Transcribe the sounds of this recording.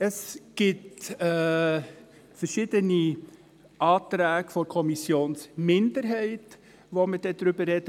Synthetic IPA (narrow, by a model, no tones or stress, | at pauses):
əsɡ̥ɪtː | fəɾʃiːdəni | ʔɑːtɾɛːɡ̥əfɔɾkʰɔmisjoːnsmɪndəɾɦɛɪt | ʋoməd̥ɛdɾʏbəɾɛd̥ə